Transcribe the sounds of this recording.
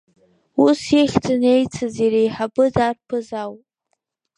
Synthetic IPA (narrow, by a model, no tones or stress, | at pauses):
usjeχʲt͡sʰɨnejt͡sʰɨzeɾejħabɨdarpʰɨzawpʼ